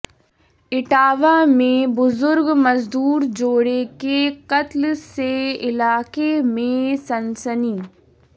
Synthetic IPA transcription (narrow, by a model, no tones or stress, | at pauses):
ɪʈaːʋamẽbʊzʊɾɡmɐzd̪uːɾd͡ʒoːɽekeqɐt̪lseɪlaːkemẽsɐnsəniː